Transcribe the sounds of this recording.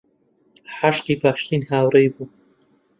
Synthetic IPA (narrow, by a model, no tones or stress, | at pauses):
ħaʃqiːpaːʃt̪iːnhaːwrejbuː